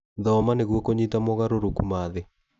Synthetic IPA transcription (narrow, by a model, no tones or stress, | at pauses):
ðɔmaneɣwɔkoɲitamɔɣaɾoɾokumaðe